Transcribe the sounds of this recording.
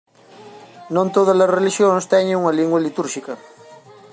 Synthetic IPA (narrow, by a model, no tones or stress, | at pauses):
nõnt̪oðɐzlɐsreliʃjõnst̪ɛɲẽŋuŋɐliŋɡwaɐlit̪uɾʃikɐ